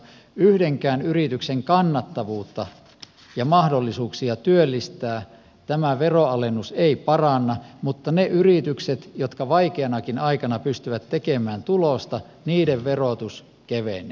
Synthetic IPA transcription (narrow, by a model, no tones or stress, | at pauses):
yhdeŋkæːnyrit̪ykseŋkɑnːɑt̪ːɑʋuːt̪ːɑ | jɑmɑhdolːisuːksiɑt̪yølːist̪æː | t̪æmæʋeroɑlenːuseipɑrɑnːɑmut̪ːɑneʔyrit̪ykset̪jot̪kɑʋɑikeɑnɑkinɑikɑnɑpyst̪yʋæt̪tekemæːnt̪ulost̪ɑ | niːdeʋʋerot̪us | keʋḛne